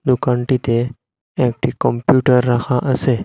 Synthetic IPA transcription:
d̪ukãɳʈit̪e | ẽk̚ʈʰikɔmpjuʈəɾːakʰãʔəse

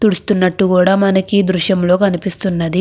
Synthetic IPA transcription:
t̪uɽust̪unːɐʈːukuːɽaːmɐnɐkid̪ɾuʃjɐmlo̞ːkɐnipist̪unːɐd̪i

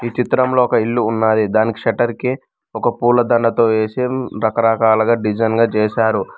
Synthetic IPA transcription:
iːt͡ʃit̪ɾɐmloːɔkɐiɭːuːnːaːjid̪aːniki̥ʂɐʈɐɾki | ɔkɐpuːlɐd̪ɐɳɖɐt̪o̞ːeːsiɾɐkɐɾɐkaːlɐɡaːɖid͡ʒɐjnɡaːt͡ʃɛːʃaːɾu

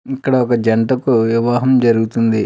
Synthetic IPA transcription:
ikːɐɽɐɔkɐd͡ʒɐɳʈɐkuʋiʋaːɦɐmd͡ʒɐɾuɡut̪und̪i

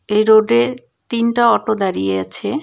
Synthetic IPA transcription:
ejɾoɖe | t̪inʈaɔʈod̪aɾijeat͡ɕʰe

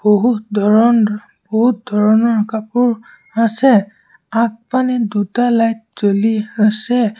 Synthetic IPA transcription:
boɦut̪̚dʱɔɹn | bɔɦut̪̚d̪ʱɔɹɔnɔɹakapʊɹ | asɛ | ak̚panɛdutalajt̚t͡ʃoliasɛ

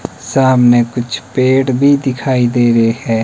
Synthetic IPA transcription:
saːmneːkʊt͡ʃʰpeːʈbʱiːd̪ɪkʰaːiːd̪eːɾeːɦɛː

